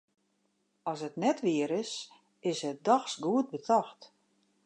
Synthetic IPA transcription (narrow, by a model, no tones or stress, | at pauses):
ɔsətnɛtʋɪəɾɪs | ɪsɦɛt̚daxsɡuət̚bətʰaxt